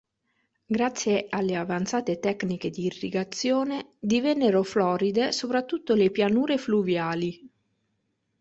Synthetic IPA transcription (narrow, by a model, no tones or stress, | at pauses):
ɡɾat̪sːjealːeavant̪saːt̪et̪ɛkniked̪iːrːḭɡat̪sjoːned̪ivɛnːeɾoflɔːɾid̪esopɾat̪ːut̪ːolepjanuːɾefluvjaːli